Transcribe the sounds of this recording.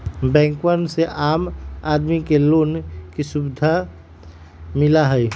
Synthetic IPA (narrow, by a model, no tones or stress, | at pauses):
bɛ̃ːŋkwənseʔaːmaːd̪mikeloːnkisubd̪ʱa | mɪlaɦɛj